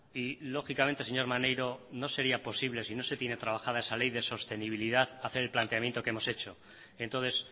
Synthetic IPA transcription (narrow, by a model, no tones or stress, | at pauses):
ilo̞xikame̞nt̪e̞se̞ɲo̞ɾmanejɾo̞no̞se̞ɾiapo̞siβle̞sino̞se̞t̪jenet̪ɾaβ̞axað̞aesale̞jðe̞so̞st̪e̞niβ̞iliðaθaθe̞ɾelplant̪e̞amjent̪o̞keemo̞se̞t͡ʃo̞ | ent̪onθe̞s